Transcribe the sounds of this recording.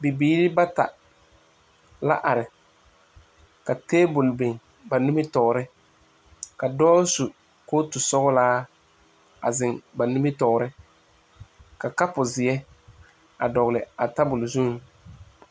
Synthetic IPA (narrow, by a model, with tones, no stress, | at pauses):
bi˨biː˦ɾɪ˦ba˦ta̰˨ | la̰˦ʔa˨ɾɪ˨ | ka˨teː˦bʊ˨lbe˨ŋ | ba˨nu˦mɪ˦tɔ˨ɾɪ˦ | ka˨dɔː˦su˨ | koː˦tʊ˨sɔ˦ɣʊ˦laː˦ | a̰˨zɪ˨ŋba˨nu˦mɪ˦tɔ˨ɾɪ˦ | ka˨ka˦pʊ˨zɪ˨ɛ˦ | a˨dɔ˨ɣlɪ˨a˨ta˦bʊ˨lzu˦ŋ˨